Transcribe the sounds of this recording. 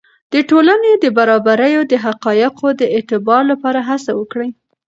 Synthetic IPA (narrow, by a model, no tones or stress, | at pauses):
d̪̥əʈolaned̪əbaɾɑbaɾəjod̪əɦaqɑjɪqʰod̪əet̪ɪbɑɾlapɑɾaɦasawəkɽə